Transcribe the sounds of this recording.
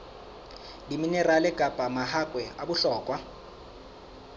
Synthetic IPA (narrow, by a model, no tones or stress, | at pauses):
diminɛralɛkʼapʼamahakʼwɛabʊɬɔːkʼwa